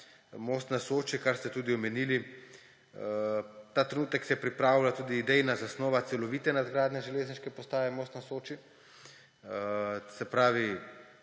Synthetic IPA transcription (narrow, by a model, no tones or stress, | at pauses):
moːst̪nasoːt͡ʃikaɾst̪ɛt̪uːd̪iɔmɛnili | t̪aːt̪ɾenuːt̪ɛksɛjɛpɾipɾaːwlat̪uːd̪iːd̪ɛjnazasnoːʋat̪sɛlɔʋit̪ɛnad̪ɡɾaːd̪nɛʒɛleːzniʃkɛpɔst̪aːʋɛmoːst̪nasoːt͡ʃi | sɛpɾaːʋi